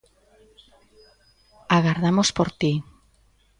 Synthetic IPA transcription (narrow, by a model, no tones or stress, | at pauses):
aɣaɾðamospoɾt̪i